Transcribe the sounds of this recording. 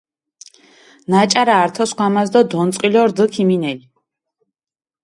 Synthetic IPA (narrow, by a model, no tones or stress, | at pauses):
nat͡ʃʼaɾaːɾt̪ʰɔsχwamazd̪ɔd̪ɔnt̪sʼqʼilɔɾd̪əkʰiminɛli